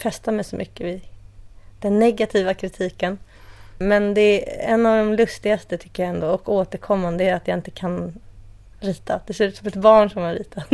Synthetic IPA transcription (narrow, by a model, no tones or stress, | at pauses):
fɛst̪amɛjsɔmʔʏkːəɪ | d̪̥ɛnːɛɡːat̪ʰiːvakʰɾɪt̪ʰiːkən | mɛnd̪ɛɛ̰nːavd̪ɔmlɵst̪ɪɡast̪ət̪ʰʏ̥kːəɾjaɛnd̪oːɔkoːt̪əɾkʰɔmːand̪əæɾat̪jaɪnt̪ə̥kʰan | ɾiːt̪ʰad̪̥ɛsʉ̟ːt̪sɔmɛt̪bɑːɳʂɔmaɾiːt̪ʰa